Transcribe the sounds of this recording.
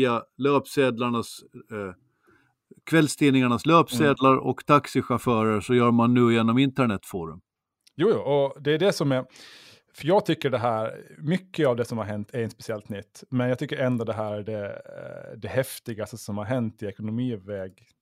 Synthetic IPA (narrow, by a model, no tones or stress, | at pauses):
aløːpseːd̪laɳas | kʰvɛlst̪ʰiːnɪŋaɳasløːpseːd̪laɾɔ̰kt̪ʰaksɪɧafœːɾəʂɔjœːɾmanːʉ̟ːjeːnɔmɪnt̪əɳɛt̪ːfuːɾɵ̰m | juːjuːɔd̪ɛːɖɛsɔmɛɾ | fœɾjɑːɡt̪ʰʏkːəɖɛɦæːɾmʏkːəavd̪ɛsɔmhaɾɦɛnt̪ʰæɾɛnspɛ̥sɪɛlt̪nʏt̪ːmɛnjɑɡt̪ʏkːəɾɛnd̪ɔd̪ɛɦæːɾæɖɛ | d̪ɛɦɛft̪ɪɡast̪əsɔmhaɾɦɛnt̪ɪɛkʊnʊmiːvɛːɡ